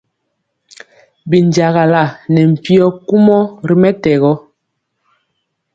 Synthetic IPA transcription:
bi˨nd͡ʒa˨ɣa˨la˦˨nɛ˨m̩˨pi˦ɔ˦ku˦mɔ˦ɾi˨mɛ˦tɛ˨ɣɔ˦

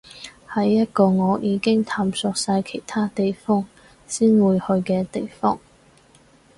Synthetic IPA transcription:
hɐ˨˥jːɐ˥t̚kɔː˧ŋɔː˨˧jʔiː˨˧kɪ˥ŋt̪ʰaː˧msɔː˧k̚saː˧jkʰe˨˩jt̪ʰaː˥t̪e˨jfɔː˥ŋ | siː˥nwuː˨˧jhɵ˧ɥkɛː˧t̪e˨jfɔː˥ŋ

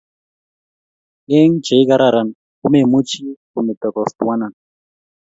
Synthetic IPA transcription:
e˦ŋd͡ʒe˨i˦ka˦ɾa˨ɾa˨n | ku˦me˨mu˦t͡ʃi˦ku˨me˨t̪ɔ˨kɔ˨st̪u˨wa˦na˨n

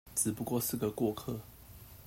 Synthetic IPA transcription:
t͡sɻ̩˨˩pu˧˥kwɔ˥˧ʂɻ̩˥˩ɡə˩kwɔ˥˧kʰɤ˥˨

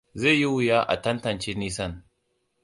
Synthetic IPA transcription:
ze˦˨ji˦wʊ˨jaː˦ʔa̰˨tɐ˦ntɐ˨nt͡ʃeː˦niː˦sɐ˦˨n

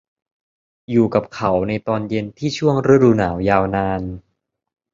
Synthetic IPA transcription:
juː˨˩ka˨˩p̚kʰa˩˦wna˧jt̪ɔː˧nje˧nt̪ʰiː˥˩t͡ɕʰu˥˩əŋɾɯ˦˥˩duː˧naː˩˦wjaː˧wnaː˧n

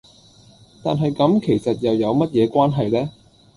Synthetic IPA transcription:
t̪aː˨nɦɐ˨jkɐ˨˧˥mkʰe˨˩jsɐ˨t̚jɐ˨wjɐ˨˧wmɐ˥t̚jɛː˨˧kwaː˥nɦɐ˨jlɛː˥

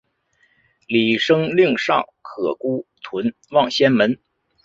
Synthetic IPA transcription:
li˨˩ʂɤ˥ŋli˥˧ŋʂɑ̰˥˩ʊkʰɤ˨˩ku˥t̪ʰwə˧˥n | wɑ˥˩ŋɕjɛ˥nmə˧˥n

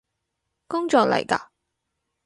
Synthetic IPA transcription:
kʊ˥ŋt͡ʃɔː˨k̚lɐ̰˨˩jka̰˧

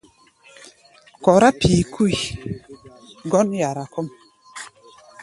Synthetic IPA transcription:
kɔ˨ɾa˦pʰiː˨kʰu˦j | ɡɔ˦nja˨ɾa˨kɔ˦m

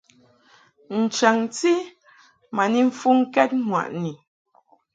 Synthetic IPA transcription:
n̩˨t͡ʃa˨ŋti˦ | ma˨ni˦ɱ̩˨fu˦ŋ̩˦kɛ˦t̚ŋwa̰˨ʔni˨

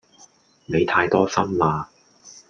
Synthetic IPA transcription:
ne˨˧jt̪ʰaː˧jt̪ɔː˥sɐ˥mlaː˧

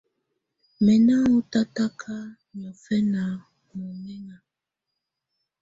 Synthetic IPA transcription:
mɛ˨na˦o˦ta˦ta˦kʰa˦ | ɲɔ˨fɛ˦na˨ | mɔ˨mɛ˦ŋa˨

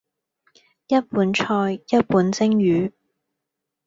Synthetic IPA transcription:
jɐ˥t̚puː˨˥nt͡ʃʰɔː˧jjɐ˥t̚puː˨˥nt͡sɪ˥ŋjyː˨˥

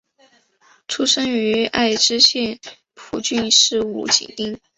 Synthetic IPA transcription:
ʈ͡ʂʰu˥ʂɤ˥ŋy˧˥a˥˩ɪʈ͡ʂɻ̩˥ɕjɛ˥˩n | pʰu˨˩t͡ɕy˥˧nʂɻ̩˥˧ṵ˨˥˩t͡ɕḭ˨˩ŋt̪i˥ŋ

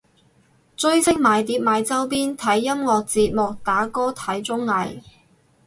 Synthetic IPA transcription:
t͡sɵ˥ɥsɪ˥k̚maː˨˧jt̪iː˨˥p̚maː˨˧jt͡sɐ˥wpiː˥nt̪ʰɐ˨˥jːɐ˥mŋɔː˨k̚t͡siː˧t̚mʊ˨k̚t̪aː˨˥kɔː˥t̪ʰɐ˨˥jt͡sʊ˥ŋːɐ˨j

